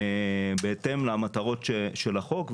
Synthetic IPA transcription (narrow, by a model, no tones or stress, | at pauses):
beet̪emlamat̪aʁo̞t̪ʃeʃelaχo̞kv